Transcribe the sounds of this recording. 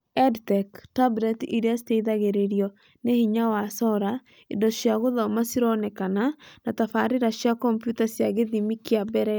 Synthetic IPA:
ɛdtɛktablɛtiɾiasteiðaɣeɾeɾiɔ | nehiɲawasɔɾa | edɔʃjaɣoðamasiɾɔnɛkananatafaɾeɾaʃjakɔmpjutasjaɣeðimikiabɛɾɛ

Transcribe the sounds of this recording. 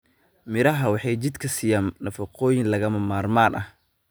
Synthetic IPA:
mɪɾɐɦɐwɑħɑjt͡ʃɪd̪kʰɐsiːjaːnnɐfɐqʰɔːjɪnlɐɣɐmɐmaːrmaːnʔɐh

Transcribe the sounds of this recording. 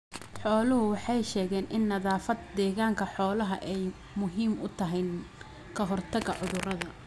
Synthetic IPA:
ħɔːlʊɦʊwɑħɑjʃɛːɣɛːnʔɪnːɐðaːfɐd̪̚d̪ɛːɣaːŋkʰɐħɔːlɐɦɐ̰ʔɛj | mʊɦiːmʊt̪ʰɐɦɛjn | kʰɐɦɔrt̪ʰɐɣɐʕʊðʊrɐðɐ

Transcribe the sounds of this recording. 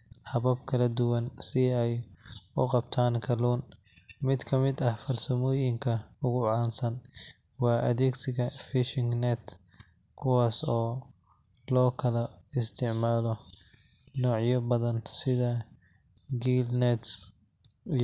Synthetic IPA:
hɐβɐbkʰɐlɐd̪ʊwɐnsɪɛjʊqɑbt̪ʰaːŋkʰɐluːn | mɪd̪kʰɐmɪd̪ɐhfɐrsɐmɔːjɪŋkʰɐʊɣʊʕɑːnsɐn | wɑːʔɐðɛːɡsɪɣɐfɪʃɪŋnɛt̪ʰ | kʰʊwɑːsɔː | lɔːkʰɐlɐɪst̪ʰɪʕmaːlɔ | nɔːʕjɐbɐðɐnsɪðɐ | ɡiːlnɛt̪s

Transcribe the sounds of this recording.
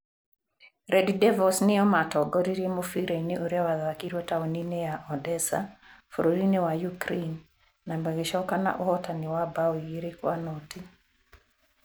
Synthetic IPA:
ɾʔɛdidɛvɔsnɪɔmatɔɡɔɾiɾjemofiɾeneʔoɾjawaðakiɾotaɔninejaʔɔdɛsa̰fo̰ɾoɾinewajukɾenː | ambaɡɪʃɔkana̰ʔohɔtanɪwabawjiɾɪkwanɔti

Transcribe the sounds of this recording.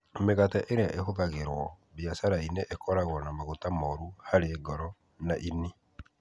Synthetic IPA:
meɣataʔeɾeaʔehoðaɣeɾwɔ | βjasaɾaineʔekɔɾaɣwɔnamaɣotamɔɾuhaɾeeɡɔɾɔ | naʔini

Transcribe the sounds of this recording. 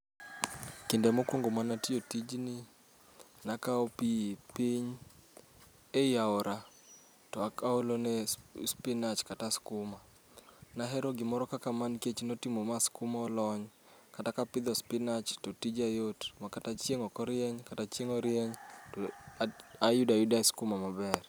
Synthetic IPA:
kɪndemɔkwoŋɡomanatiotid͡ʒni | nakaopiepiɲ | ejaoɾʔa | tɔakaolonɛspɪnat͡ʃkataskʊma | naɦɛɾoɡɪmɔɾɔkakamanket͡ʃnotimomaskʊmaɔlɔɲ | katakapɪd̪ɔspɪnat͡ʃtotid͡ʒajotmakatat͡ʃjeŋɔkɔɾɪɛɲkatat͡ʃjeŋɔɾjɛɲ | ajudajudaiskʊmamabɛr

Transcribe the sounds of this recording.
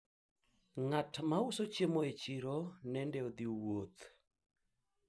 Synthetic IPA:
ŋatmaʊsot͡ʃemoet͡ʃiɾonɛndɛod̪iwot̪

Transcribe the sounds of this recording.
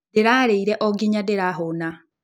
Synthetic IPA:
deɾaɾeiɾɛʔɔɡiɲadeɾaɦona

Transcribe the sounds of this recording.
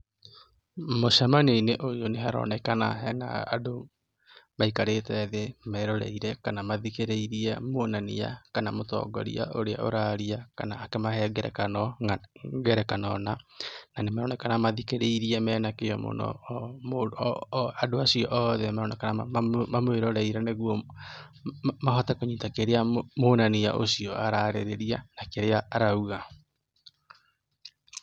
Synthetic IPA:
moʃamaneineʔojoneɦaɾɔ̰ːnɛkana̰ɦɛna̰ːa̰do | maikaɾetɛðemɛɾɔɾɛ̰iɾɛkanamaðikeɾeiɾiɛmoonania̰kanamotɔ̰ːɡɔ̰ɾḭa̰ʔoɾea̰ʔo̰ɾaɾiakanaːkemahɛɡɛɾɛ̰kanɔ | ɡɛɾɛkanɔnananemaɾɔnɛkanamaðikeɾeiɾiɛmɛːnakejɔmo̰nɔ̰m | adoasiɔʔɔðɛmaɾɔnɛkanamamweɾɔɾaiɾaneɣwɔ | maɦɔtakoɲiːtakeɾeamoːnanija̰ʔo̰sijɔʔaɾaɾeɾeɾianakeɾeaːɾauɣa

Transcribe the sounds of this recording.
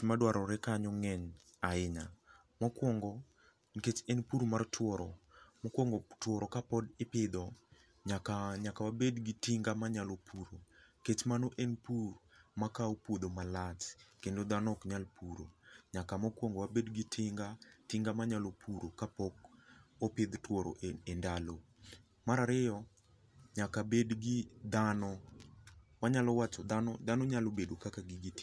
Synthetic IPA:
madwaɾɔɾɛkaɲɔŋɛɲ | aɪɲa̰ | mɔkwɔŋɡɔ | ket͡ʃɛnpurmartʰwɔɾɔmɔkwɔŋɡɔtwɔɾɔkapɔdɪpɪd̪ɔ | ɲakaɲakawabedɡɪtiŋɡamaɲalopʰuɾoket͡ʃmanoʔɛnpurmakaopwod̪omalat͡ʃkendod̪anɔkɲalpuɾo̰ɲakamɔkwɔŋɡowabedɡɪtʰɪŋɡatɪŋɡamaɲalopʰuɾokapɔkopɪd̪twɔɾo̰ʔeendalo | maɾaɾɪjɔ | ɲakabedɡɪd̪anɔ | waɲalɔwat͡ʃɔd̪anɔd̪anɔɲalobedokakaɡɪɡit

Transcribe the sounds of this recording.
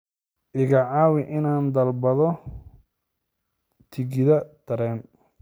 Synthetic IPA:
ʔɪɣɐʕɑːwɪʔɪnaːnd̪ɐlbɐðɔ | t̪ʰɪɣɪðɐd̪̥ʰɐɾɛːn

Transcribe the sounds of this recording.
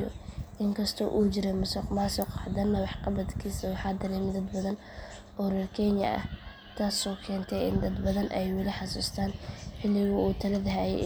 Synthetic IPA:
ɔ̰ʔɪŋkʰɐst̪ʰɔːʔuːd͡ʒɪɾɛmʊsʊqmaːsʊqħɑd̪ɐnːɐwɑħqɑbɐd̪kʰiːsɐwɑħɑːd̪ɐɾɛːmɪd̪ɐd̪bɐðɐn | ʔɔːrɛrkʰɛnjɐ̰ɐ̰ | t̪ʰaːsɔːkʰɛːnt̪ʰɛjɪ̰nd̪ɐd̪bɐðɐnʔɛjwɐlɪħɑsuːst̪ʰaːnħɪlːɪɣʊuːt̪ʰɐlɐðɐɦaːjɛ̰

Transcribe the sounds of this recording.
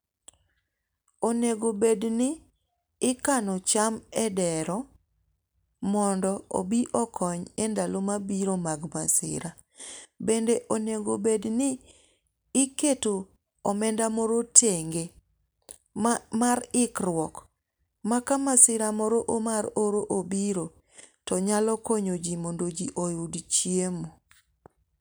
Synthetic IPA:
oneɡobednɪː | kanɔt͡ʃamɛdɛɾɔ | mɔndɔo̰biʔɔkʰɔɲɛndalomabiɾomaɡmasɪ̰ɾa | bendeʔoneɡobednɪː | keto | ɔmɛndamɔɾotʰeŋɡe | maɾɪkɾwɔk | makamasɪɾamɔɾoʔomaɾoɾoʔobiɾo | tɔɲalɔkoɲod͡ʒimɔndod͡ʒiʔojudt͡ʃjemo

